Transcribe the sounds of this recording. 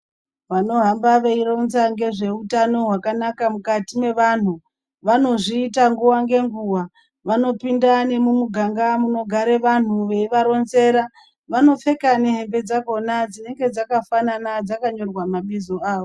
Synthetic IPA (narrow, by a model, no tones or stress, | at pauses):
ʋano̞ɦambaʋeiro̞nzaŋɡe̞ʐe̞utano̞ɦwakanakamukatime̞ʋan̤u | ʋano̞ʐiːtaŋɡuʋaŋɡe̞ŋɡuwa | ʋano̞pindane̞mumuɡʱaŋɡamuno̞ɡʱaɾe̞ʋan̤uʋe̞iʋaɾo̞nze̞ːɾa | ʋano̞fe̞kaneɦe̞mbe̞d͡zako̞nad͡zine̞ŋɡe̞d͡zakafananad͡zakaɲo̞rwamaɓizo̞aːʋo